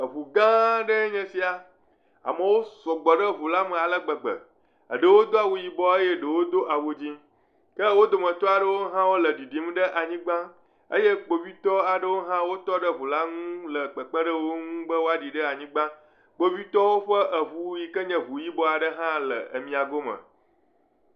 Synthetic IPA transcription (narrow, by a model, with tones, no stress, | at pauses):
ə˨βu˨ɡã˦ɖə˦ɲɛ̃˨si˦a˨ | a̰˨mə̃˨wo˦sɔ˨ɡ͡bɔ˨ɖə˦vu˨la˦mɛ̃˨a˨lə˦ɡ͡bə˨ɡ͡bə̰˨ | ə̰˨ɖə˨wo˦d̪o˦a˨wu˨ji˨bɔ˦ə˦je˦ɖə˨wo˦d̪o˦ʔa˨wo˨d͡ʑi˦ | kə˦wo˦d̪o˨mə̃˨t̪ɔ˦a˨ɖə˦wo˦ɦã˦wo˦lə˨ɖi˨ɖi˨˦m˦ɖə˦ʔa˨ɲĩ˦ɡ͡bã˦ | ə̰˦je˦k͡po˨vi˦t̪ɔ˦a˨ɖə˦wo˦ɦã˦wo˦t̪ɔ˦ɖə˦βu˨la˦ŋũ˦lə˨ɡ͡bə˨k͡pə̃˦ɖə˦wo˦ŋũ˦bə˦wo˦a˦ɖi˨ɖə˦a˨ɲĩ˦ɡ͡bã˦ | k͡po˨βi˦t̪ɔ˦wo˦ɸə˦ʔə˨u˦ji˨kə˦ɲɛ̃˨βu˨ji˦bɔ˦a˨ɖə˦ɦã˦lə̰˨ə̰˨mĩ˨a˨ɡo˦mə̰̃˨